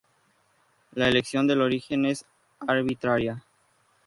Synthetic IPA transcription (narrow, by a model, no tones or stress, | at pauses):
laeleksjo̞nd̪e̞lo̞ɾixe̞nes | aɾβit̪ɾaɾja